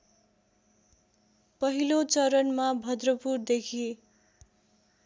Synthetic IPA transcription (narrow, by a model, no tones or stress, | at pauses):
pʌɦilot͡sʌɾʌnmabʱʌd̪rʌpurd̪ekʰi